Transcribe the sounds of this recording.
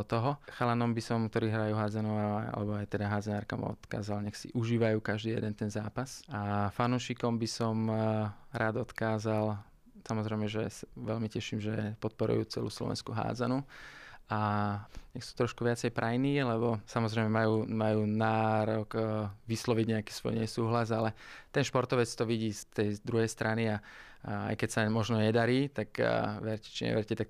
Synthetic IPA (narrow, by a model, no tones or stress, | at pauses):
t̪ɔɦɔxalanɔmbisɔmk̚t̪ɔɾiːɦɾajuːɦaːd͡zanuaa̰lɛbɔajt̪ɛd̪aɦaːd͡zɛnaːɾka̰mɔ̰t̪ka̰ːzalɲɛxsḭʔuʒiːʋajuːkaʒd̪iːjɛ̰d̪ɛnt̪ɛnzaːpasafanuʃikɔmbisɔm | ɾaːd̪ɔt̪kaːzal | samɔzɾɛjmɛʒɛsaʋɛlmicɛʃiːmʒɛpɔt̪̚pɔɾṵjṵːt͡sɛ̰luːslɔ̰ʋɛ̰nskuɦa̰ːd͡zanu | aɲɛxsu̥ːt̪ɾɔʃkuʋɪat͡sɛjpɾajniːlɛbɔsamɔzɾɛɪmɛmajuːmajuːnaːɾɔɡʋislɔʋiɟɲɛakiːsʋɔ̰jɲɛsuːɦlazalɛt̪ɛnʃpɔɾt̪ɔʋɛt͡st̪ɔʋiɟiːst̪ɛjd̪ɾuɦɛjst̪ɾʔania | a̰jkɛcsamɔʒnɔɲɛd̪aɾiːt̪akʋɛɾcɛ̥t͡ʃiɲɛ̰ʋɛɾcɛt̪ak̚